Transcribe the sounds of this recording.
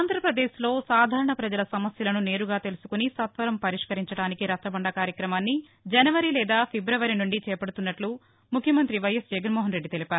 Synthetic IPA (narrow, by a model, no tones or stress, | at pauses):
aːnd̪ʱɾɐpɾɐd̪eːʃlo̞ːsaːd̪ʱaːɾɐɳɐpɾɐd͡ʒɐlɐsɐmɐsjɐlɐnune̞ːɾuɡaːt̪e̞lusu̥kunisɐt̪ʋɐɾɐmpɐɾiʂkɐɾiɲt͡ʃɐɽaːnikiɾɐst̪ɐbɐɳɖɐkaːɾjɐkɾɐmaːnːi | d͡ʒɐnɐʋɐɾilɛːd̪aːpʰebɾɐʋɐɾinuɳɖit͡ʃɛːpɐɽut̪unːɐʈlu | mukʰjɐmɐnt̪ɾiʋɐjɐsd͡ʒɛɡɐnmɔːɦɐnɾe̞ɖːit̪e̞lipaːɾuu